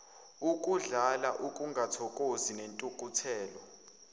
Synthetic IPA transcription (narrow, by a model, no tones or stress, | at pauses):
ukʼuɮalaʔukʼuŋɡʱatʰɔkʼozinentʼukʼutʰɛːlɔ